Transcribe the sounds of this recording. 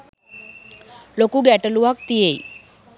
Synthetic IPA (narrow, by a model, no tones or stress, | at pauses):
lokuːɡɛʈəluʋak̚t̪ijeḭ